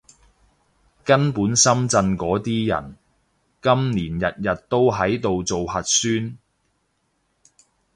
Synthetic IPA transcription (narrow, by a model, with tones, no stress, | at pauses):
kɐ˥npuː˨˥nsɐ˥mt͡sɐ˧nkɔː˨˥t̪iː˥jɐ̰˨˩n | kɐ˥mniː˨˩njɐ˨t̚jɐ˨t̚t̪o˥wɦɐ˨˥jt̪o˨wt͡so˨whɐ˨t̚syː˥n